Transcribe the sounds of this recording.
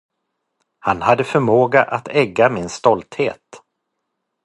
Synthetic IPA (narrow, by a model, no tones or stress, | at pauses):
hanhad̪ːəfœɾmoːɡaʔat̪ɛɡːamɪnst̪ɔlt̪hḛːt̪